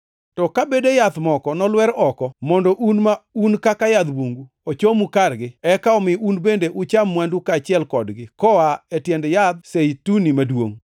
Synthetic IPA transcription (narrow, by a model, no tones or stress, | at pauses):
tɔkabedejat̪mɔkɔnɔlwɛɾɔkɔmɔndɔʔunmaunkakajad̪boŋɡu | ot͡ʃomukarɡɪɛkaɔmɪunbendeʔʊt͡ʃamːwandukat͡ʃɪɛlkɔdɡɪkɔaetjɛndjad̪̚seitunimadwo̰ŋ